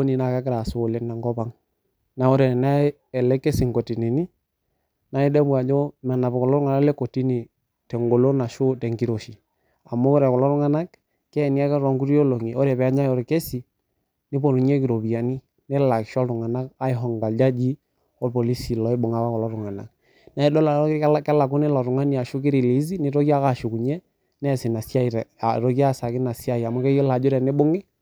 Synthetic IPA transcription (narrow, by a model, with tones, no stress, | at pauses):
ni˨na˨ka˦kɪ˦ɾa˨so˦˨le˦na˨ŋɡɔ˦pa˦ŋ | na˨˦o˦ɾɛ˨ɛ˨na˦ | ɛ˨lɛ˦ke˦si˨ŋko˨ti˨ni˨ni˦ | na˨i˦dɛ˦mu˨a˨d͡ʒo˦ma˨na˨bkɔ˨lɔ˦ɾu˦ŋa˨na˦le˦ko˨ti˦ni˨ | tɛ˨ŋɡo˨lo˦na˨ʃu˦tɛ˨ŋki˨˦ɾo˨ʃi˨ | a˨mo˦kʊ˦ɾɛ˨kɔ˨lɔ˦ɾu˦ŋa˨na˦k | kɛ˦˨ni˦a˦ka˦ɾɔ˨ŋɡu˦ɾi˦o˦lo˨ŋi˨o˦ɾɛ˨pɛ˨a˦ɲa˦jɔ˦ɾke˦si˨ | nɪ˦bo˨nu˨ɲe˦ki˨ɾo˨bi˨a˨ni˦ | ne˦la˨kʃɔ˦ltʊ˨ŋa˨na˦ka˦ɪ˦ɦɔ˨ŋɡa˨ld͡ʒa˦d͡ʒi˦ | ɔ˦lpo˨li˦si˨lɔ˨˦i˦bʊ˨ŋa˦wa˦kɔ˨lɔ˦ɾʊ˨ŋa˨na̰˨k̚ | na˦i˦dɔ˦la˨˦kɛ˦la˨ku˦nɪ˦lɔ˨ɾʊ˨ŋa˦ni˦a˨ʃu˦k̬ɪ˦ɾi˨li˨˦zi˦ni˨˦ɾo˦ki˦a˦ka˨ʃu˨ku˨ɲɛ˦ | nɛ˦˨si˨na˨si˦a˦i˨ɾɾo˦ki˦a˦˨sa˨kɪ˦na˨si˦a˦i˨a˨mu˦kɛ˦jla˨d͡ʒo˦ɾɛ˨ne˦bʊ˦ŋɪ˦